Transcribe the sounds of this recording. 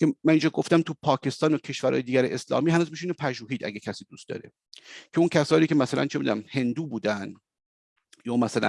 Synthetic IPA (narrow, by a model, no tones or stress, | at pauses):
kʰemænind͡ʒɒːɡo̞ft̪æmt̪ʰupʰɒːcʰe̞st̪ɒːnocʰe̞ʃvæɾʔɒ̰ːjd̪iːɡʲæɾeʔeslɒ̰ːmiːɦænuːzmiʃiːnopʰæʒuːɦiːd̪ʔæ̰ɡecʰæsiːd̪ust̪d̪ɒ̰ːɾe | cʰeuncʰæsɒːniːcʰe̞mæsælæ̰nt͡ʃʰemḭd̪ṵnæmhe̞nd̪uːbuːd̪æn | jɒːmæsælæ̰n